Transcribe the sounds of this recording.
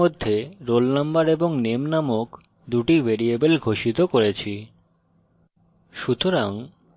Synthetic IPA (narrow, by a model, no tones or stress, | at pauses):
od̪ʱːeɾolnambaɾeboŋnemnamok | d̪uʈibʱeɾiebelɡʱoʃit̪okoɾet͡ɕʰi | ʃut̪oɾaŋ